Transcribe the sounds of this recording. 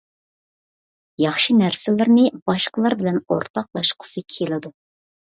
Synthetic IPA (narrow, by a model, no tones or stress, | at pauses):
jɑχʃinæɾsɪlɪɾnɪbɑʃqəlˠɑɾbɪlɛno̰ɾt̪ʰɑq̚lˠɑʃqʰə̥sɨkʲʰelɪd̪u